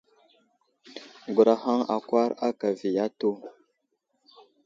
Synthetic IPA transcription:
ɡu˨ɾa˨ha˦ŋa̰˨kwa˦ɾa˦ka˨vi˨ja˦tu˦

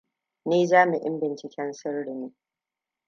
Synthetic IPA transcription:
niː˦zaː˦mi˨ʔɪ̰˦mbɪ˨nt͡ʃɪ˨kʲɛ˦nsɪ˦rɽɪ˨niː˦

